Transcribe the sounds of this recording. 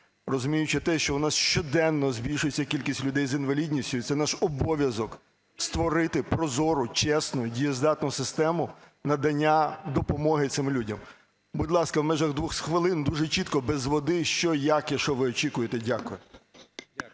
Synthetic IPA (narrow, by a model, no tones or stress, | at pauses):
rɔzʊmʲijʊt͡ʃɪt̪ɛʃt͡ʃɔwnɑsʃt͡ʃɔd̪ɛnːɔzbʲilʲʃʊjet͡sʲːɐkʲilʲkʲisʲtʲlʲʊd̪ɛjzinʋɐlʲidʲnʲisʲtʲʊjit̪sɛnɑʃɔbɔʋʲjɐzɔk | st̪ʋɔɾɪt̪ɪpɾɔzɔɾʊt͡ʃɛsnʊdʲijɛzd̪ɑt̪nʊsɪst̪ɛmʊ | nɐd̪ɐnʲːad̪ɔpɔmɔɦɪt̪sɪmlʲudʲɐm | budʲlˠɑskɐwmɛʒɐɣd̪ʋuxsxʋɪlˠɪnd̪uʒɛt͡ʃit̪kɔbɛzʋɔd̪ɪʃt͡ʃɔjakjɐʃɔʋɪɔt͡ʃikʊjet̪edʲakʊjɛ